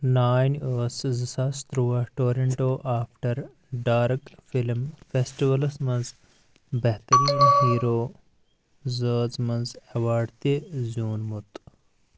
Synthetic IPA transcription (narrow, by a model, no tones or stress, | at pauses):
naːjnəːszəsast̪ɾuːɐʈoːɾeɳʈoːʔaːfʈɐɾ | ɖaːɾkfilmfesʈiʋɐlsmɐ̃nz | bɐɦt̪ɐɾiːnhiːɾoː | zəːzmɐnzɐʋaːɖt̪izuːnmut̪